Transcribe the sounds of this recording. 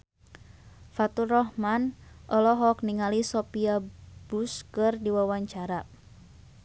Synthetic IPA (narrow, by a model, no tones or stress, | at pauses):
fat̪urɔhmanʔɔlɔɦɔk̚niŋalisɔpiabuskɨrdiwawaɲt͡ʃaɾa